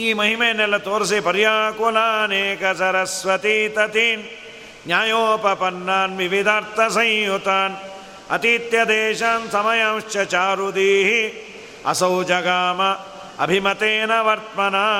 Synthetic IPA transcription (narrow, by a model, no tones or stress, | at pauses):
iːmɐɦimeːnːelɐt̪oːɾs̬ipɐɾjaːkoːlaːneːkɐsɐɾɐsʋɐt̪it̪ɐt̪iːnː | jaːjoːpɐpɐnːaːnʋiʋid̪ʱaːɾt̪ɐsɐ̃j̃jut̪aːn | ɐ̰t̪iːt̪jɐd̪eːʃaːnsɐmɐjaːmʃt͡ʃjɐt͡ʃaːɾud̪iːɦi | ɐ̰sɐwd͡ʒɐɡaːmɐ | ɐ̰bʱimɐt̪eːnɐʋɐɾt̪mɐnaː